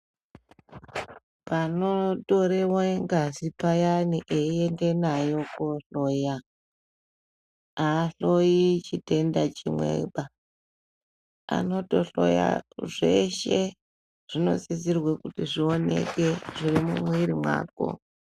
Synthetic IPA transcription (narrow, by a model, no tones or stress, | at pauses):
panoto̞ɾewoeŋɡazipajaniʔeie̞nde̞najo̞koɬo̞ja | aːɬojit͡ʃite̞ndat͡ʃimwḛɓa | a̰no̞to̞ɬo̞ja̰ʐeʃe | ʐ̥ino̞̰zizirwekutiʐio̞ne̞̰ke̞ʐirimṵmwiɾimwa̰ːko̞̰